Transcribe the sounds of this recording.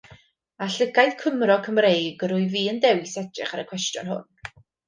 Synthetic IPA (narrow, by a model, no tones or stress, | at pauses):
aɬəɡajθkʰəmrɔkʰəmrejɡəɾʊɨviːəndɛwsɛdɪ̰χaɾəkʰw̥ɛstjʊ̰nhʊ̰n